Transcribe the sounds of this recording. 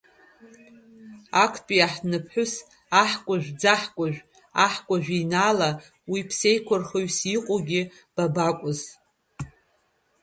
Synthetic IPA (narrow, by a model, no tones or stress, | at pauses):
akʰpʼiaħnɨpʰħʷʊs | aħkʷʼʊʒᶣd͡zaħkʷʼʊʒᶣʷ | aħkʷʼaʒᶣinala | wipʰse̞jkʷʰʊrχoɥsiqʼoɡʲɪ | b̥abakʷʼʊz